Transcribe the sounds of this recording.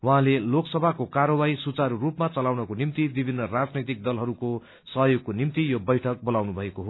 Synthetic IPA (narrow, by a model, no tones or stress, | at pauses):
waɦãleloksʌbʱakokaɾʌwaisut͡saɾurupmat͡sʌlawnʌkonimt̪ibibʱinːʌrad͡znʌjt̪ik̚d̪ʌlɦʌɾuko | sʌɦjoɡ̚konimt̪ijobʌjʈʰʌk̚bolawnubʱʌekoɦo